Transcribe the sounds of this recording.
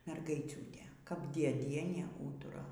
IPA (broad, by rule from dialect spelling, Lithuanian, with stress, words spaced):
mʲɛrɡɐɪˈt͡sʲuːtʲeː kɐp dʲiɛˈdʲiɛnʲeː ˈuːtʊrɐ